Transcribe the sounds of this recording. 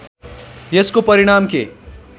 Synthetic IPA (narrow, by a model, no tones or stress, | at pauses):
jeskopɐɾiɽ̃aːmkḛ